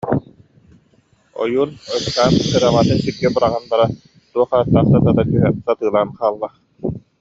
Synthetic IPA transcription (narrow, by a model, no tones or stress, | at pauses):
ɔ̰juːnɯt̪aːnsɯɾamaːt̪ɯnsiɾɡɛbɯɾaʁanbaɾa | suɔχaːt̪ːaːχsat̪at̪at̪yɦɛnsat̪ɯːlˠaːnχaːlˠːaχ